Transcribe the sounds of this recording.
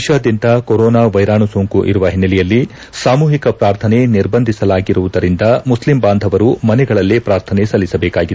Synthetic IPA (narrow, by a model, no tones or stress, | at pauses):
ʃaːd̪jint̪ɐkɔɾɔːnaːʋɐjɾaːɳusoːŋkuʔḭɾuʋɐɦinːɐlɛjɐlːi | saːmuːɦikɐpɾaːɾt̪ʰɐneniɾbɐnd̪ʱisɐlaːɡiɾuʋud̪ɐɾind̪ɐmuslimbaːnd̪ʱɐʋɐɾumɐnɛɡɐɭɐlːepɾaːɾt̪ʰɐnesɐlːisɐbɛːkaːɡid̪